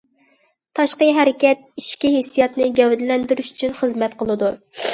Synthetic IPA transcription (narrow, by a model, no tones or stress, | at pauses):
t̪ʰɑʃqəɦɛɾɪkʲɛt̪̚iʃkʲiɦesːijɛt̪nɨɡʲɛwd̪lɛnd̪yɾyʃy̥t͡ʃʰynχəzmɛt̪qʰəlˠɨd̪u